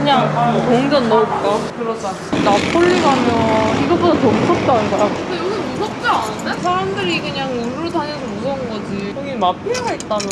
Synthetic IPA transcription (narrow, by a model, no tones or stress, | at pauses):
kɯɲaŋkoŋd͡ʑʌnːʌok͈akɯɾʌd͡ʑ͈a | napʰuʎːiɡamjʌiɡʌbutʰatomusʰʌp̚t͈aɯnɡʌjaɯsejʌɡimus̬ʰʌk̚t͡ɕ͈oanɯndes̬ʰaɾamdɯɾikɯɲaŋumuɾoɭtʰaŋesʰʌmusʰʌɯnɡʌd͡ʑikoɡimapʰiɾɡaɦet͈̚amjʌ